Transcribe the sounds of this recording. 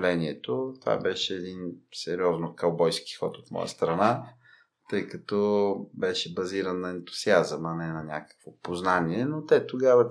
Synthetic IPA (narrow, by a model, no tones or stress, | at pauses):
lɛniɛt̪ot̪va̰bɛʃɛːd̪insɛɾiɔznokɐlˠbɔjski̥xɔ̰t̪ot̪mɔ̰jə̰st̪ɾɐna | t̪ɤjkɐt̪ɔbɛʃɛbɐziɾənːɐɛnt̪ʊ̥u̥siazəmɐnɛnɐnʲa̰kə̥kvopoznaniɛnot̪ɛt̪oɡavɐ